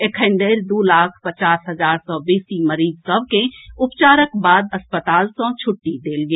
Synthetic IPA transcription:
ekʰə̃ɳɖeɾd̪ulaːkʰpət͡ʃaːsɦəd͡ʒaːɾsɔbeːsiməɾiːzsəbʱkẽʊpt͡ʃaːɾəkbaːd̪əspət̪aːlsɔ̃t͡ʃʰʊʈːid̪eːlɡeː

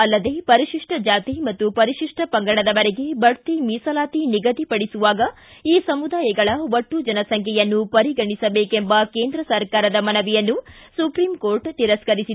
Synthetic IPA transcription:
ɐlːɐd̪e̞ːpɐɾiʃiʂʈɐd͡ʒaːt̪imɐt̪ːupɐɾiʂiʂʈʰɐpɐŋɡɐɽɐd̪ɐʋɐɾeɡebʱɐɾt̪imiːsɐlaːt̪iniɡɐt̪ipɐɽisuʋaːɡɐ | iːsɐmud̪aːjɐɡɐɭɐʋoʈːud͡ʒɐnɐsɐŋkʰɛjɐnːupɐɾiɡɐɳisɐbe̞ːkembɐke̞ːnd̪ɾɐsɐɾkaːɾɐd̪ɐmɐnɐʋijɐnːusupɾiːmko̞ːɾʈt̪iɾɐskɐɾisid̪

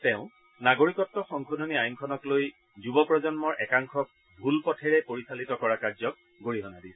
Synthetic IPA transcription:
teʊ̃ | naɡoɹikɔtːɔxɔŋkʰodʱoniajuŋkʰɔnɔkloj | zubɔpɹɔzɔnmɔɹʔɛkaŋkʰɔk̚ | bʱulpɔtʰɛɹɛpoɹisalitɔkɔɹakaɹzɔk̚ | ɡoɹiɦɔnadis

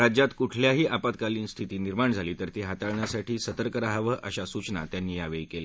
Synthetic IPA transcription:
ad͡ʑjat̪kuʈʰljaɦiːʔapad̪̚kaliːnst̪ʰit̪iːniɾmaɳd͡zʱaliːt̪əɾt̪eɦat̪aɭɳjasaʈiːsət̪əɾkəɾaɦaʋəʔəɕasut͡ɕna̰t̪janːiːjaʋejkele

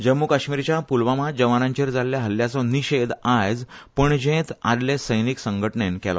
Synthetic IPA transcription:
d͡ʑəmːukaɕmiɾt͡ɕjapulʋamad͡ʑəʋanãɲt͡ɕeɾd͡zalːjaɦəljat͡sɔ̃niɕed̪ajd͡zpəɳd͡ʑẽt̪ad̪lesəjniksəŋɡʱəʈɳenkɛlɔ̰

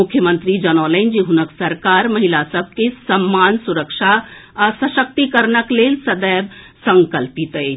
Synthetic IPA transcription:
ʊkʰːjəmə̃nt̪ɾid͡ʒənɔːləɪnd͡ʒiɦʊnəksəɾkaːɾmɐɦilasəb̚ʱkesəmːaːnsuɾəkʃasəʃək̚t̪ikəɾnəkleːlsəd̪əːb | sə̃ŋkəlpit̪ə

